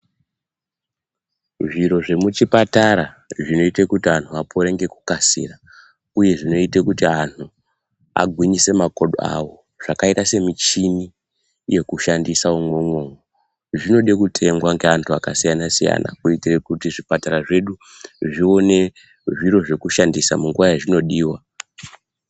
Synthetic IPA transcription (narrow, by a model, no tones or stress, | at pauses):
ʐiɾo̞ʐe̞mut͡ʃipataɾaʐino̞itekutiantʰuapʰo̞ɾe̞ŋɡe̞ku̥kasḭra | uje̞ʐino̞itekutiantʰu | a̰ɡʱwiɲise̞mako̞ɗo̰a̰wo̞ | ʐ̥akaitase̞mit͡ʃini | je̞kuʃandisaumwemwo̞mo | ʐino̞ɗekutʰe̞ŋɡwaŋɡeantʰuakasijanasija̰na̰kuitirekutiʐipataɾaʐe̞ɗu | ʐio̞ne̞ | ʐiɾo̞ʐe̞kuʃandisamuŋɡuʋajaʐino̞ɗiːwa